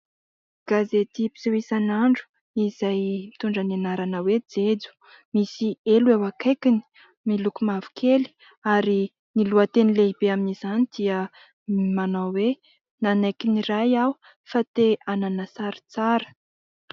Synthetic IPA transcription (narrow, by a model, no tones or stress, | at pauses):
ɡ̥azet̪ipi̥siwisanaɳɖ͡ʐu̥ | izajmit̪uɳɖ͡ʐanenaɾanəwed͡zed͡zu̥ | misieluewakejkini̥ | milukumavu̥kʰeli̥ | aɾi | niluət̪enileibeaminiz̥anid̪̥iə | manawwe | nanajkiniɾajaw | fat̪eananəsaɾi̥t͡saɾə̥